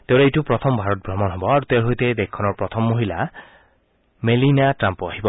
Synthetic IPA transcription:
t̪ewɾeejʈupɾɔt̪ʰɔmbʱaɾɔt̪̚bʱɾɔmɔnɦɔbɔaɾut̪eɦojt̪ed̪ekʰːɔnɔɾpɾɔt̪ʰɔmːoɦila | melinaʈɾampɔaɦibɔ

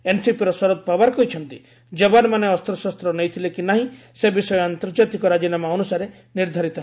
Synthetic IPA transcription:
ensipiɾɔsɔɾɔd̪̚pabaɾkɔɦjt͡ʃʰɔnt̪i | d͡ʒɔbanmaneɔst̪ɾɔsɔst̪ɾɔnejt̪ʰilekinaɦĩ | sebisɔjɔant̪ɔɾd͡ʒat̪ikɔɾad͡ʒinamaɔnusaɾe | niɾd̪ʱaɾit̪ɔ

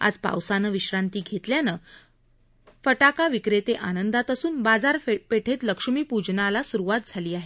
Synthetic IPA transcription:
a̰d͡zpa̰wsanəʋiɕɾant̪iːɡʱet̪ljanə | fəʈakaʋikɾet̪eʔanənd̪at̪əsuːnbad͡zaɾpeʈʰet̪ləkʂmiːpud͡ʑnalasuɾuʋat̪̚d͡zʱaliːaɦe

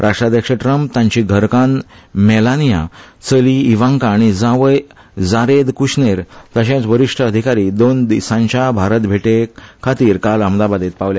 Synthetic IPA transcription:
ɾʔaʂʈɾad̪jəkʂeʈɾəmp̚t̪ãɲt͡ɕiɡʱəɾkanmɛlanija̰t͡səliːʋãŋkaːɽ̃id͡zãʋəj | d͡zaɾed̪kuɕneɾt̪əɕẽt͡sʋəɾiʂʈʰəəd̪ʱikaɾiːd̪ond̪isãɲt͡ɕabʱaɾət̪bʱeʈekʰat̪iːɾkaləmd̪abad̪et̪̚paʋlja

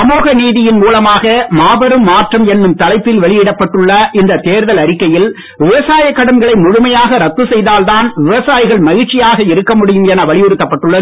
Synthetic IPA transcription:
ɐmoːɣɐniːðɪjɪnmuːlɐmaːɣɐmaːbɐɾɯmːaːʈrɐmɛnːɯmt̪ɐlɐɪpːɪlʋɛɭɪjɪɽɐpːɐʈːɯɭːɐʔɪnd̪ɐt̪eːɾðɐlɐɾɪkːɐjɪl | ʋɪʋɐsaːjɐkːɐɽɐnɡɐɭɐɪmʊɻʊmɐjaːɣɐɾɐt̪ːɯsɛjðaːlt̪aːnʋɪʋɐsaːjɣɐɭmɐɣɪɾt͡ʃɪjaːɣɐɪɾɯkːɐmʊɽɪjɯmɛnɐʋɐɭɪjʊɾɯt̪ːɐpːɐʈːɯɭːɐð

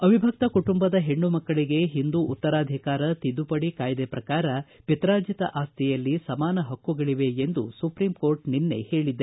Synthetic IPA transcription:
ɐʋibʱɐk̚t̪ɐkuʈumbɐd̪ɐɦe̞ɳːumɐkːɐɭiɡe̞ɦind̪uʔːt̪ːɐɾaːd̪ʱikaːɾɐt̪id̪ːupɐɽikaːjd̪epɾɐkaːɾɐpit̪ɾaːd͡ʒjit̪ɐ̰ʔaːst̪ʰijɐlːisɐmaːnɐɦɐkːuɡɐɭiʋe̞end̪usupɾiːmko̞ːɾʈninːe̞̰he̞ːɭid̪ːe

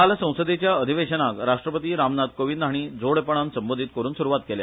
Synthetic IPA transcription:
alsə̃w̃səd̪et͡ɕjaəd̪ʱiʋeɕənakɾaʂʈɾəpət̪iːɾamnad̪koʋind̪ʱaɽ̃iːd͡zoɽpəɽ̃ãnsəmbod̪ʱiːt̪kəɾuːnsuɾuʋat̪̚kele

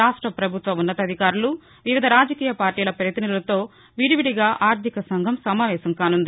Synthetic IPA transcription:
aːʂʈɾɐpɾɐbʱut̪ʋɐmunːɐt̪ɐd̪ʱikaːɾulu | ʋiʋid̪ʱɐɾaːd͡ʒɐkiːjɐpaːɾʈiːlɐpɾɐjɐt̪inilulɐt̪o̞ː | ʋiɽiʋiɽiɡaːʔaːɾt̪ʰikɐsɐŋɡʱɐmsɐmaːʋɛːsɐmkaːnund̪i

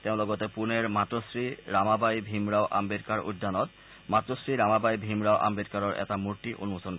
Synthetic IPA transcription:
t̪eõloɡot̪epuneɾmatɾosɾiɾamabajbʱimɾaoʔa̰mbeɾkaɾṵd̪ʱːanɔt̪̚ | mat̪ːɾosɹiɾamabajbʱimɾaoʔa̰mbedkaɾɔɾʔɛ̰tamuɾʈiʔonumosʰonkɔ

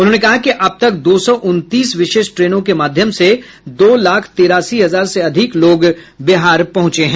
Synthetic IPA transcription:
ʊnɦõnekɐɦakiʔɐb̚t̪ɐk̚d̪oːsɔːʔʊnt̪iːsʋɪʃeːʃʈɾeːnõkemaːd̪ʱjəmse | d̪oːlaːkʰt̪eːɾaːsiɦɐzaːɾseɐd̪ʱɪkloːɡ | beɦaːɾpɐɦʊ̃t͡ʃeɦɛ̃ː

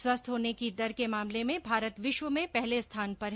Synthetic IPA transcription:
swɐst̪ʰɦoːnekid̪ɐɾkemaːmlemẽbʱaːɾət̪ʋɪʃwəmẽpɛɦlest̪ʰaːnpɐɾɦ

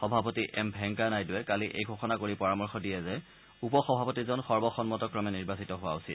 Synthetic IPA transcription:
xɔbʱapɔtiʔɛmbʱɛŋkanajdʊwɛkaliʔḛjɡʱɔxɔnakoɹipɔɹamɔɹxɔdiɛzɛ | upɔxɔbʱapɔtizɔnxɔɹbɔxɔnmɔtɔkɹɔmɛniɹbasitɔɦʊwa̰ʊsit

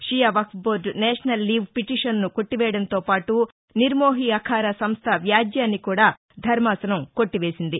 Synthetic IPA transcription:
ʂijaʋɐksboːɾɖnɛːʂɐnɐlːiːʋpiʈiʂɐnːuko̞ʈːiʋɛːjɐɽɐnt̪oːpaːʈu | niɾmoːɦiɐkʰaːɾɐsɐmst̪ʰɐʋjaːd̪jaːnːikuːɽaː | d̪ʱɐɾmaːsɐnɐmko̞ʈːiʋe̞ːsind̪i

